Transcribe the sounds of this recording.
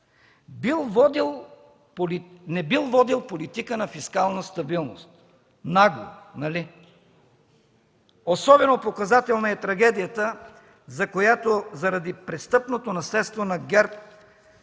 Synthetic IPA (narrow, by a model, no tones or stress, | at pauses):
bilˠvɔd̪ilˠ | polinɛbilˠvɔd̪ilˠpolit̪ikənɐfiskalˠnəst̪ɐbilˠnost̪ | naɡo̰nɐli | osɔbɛnopokɐzat̪ɛlˠnəɛt̪ɾɐɡɛd̪ijət̪ə | zɐkojat̪ozɐɾɐd̪ipɾɛst̪ɤpnot̪onɐslɛt̪st̪vonɐɡʲɛɾp̚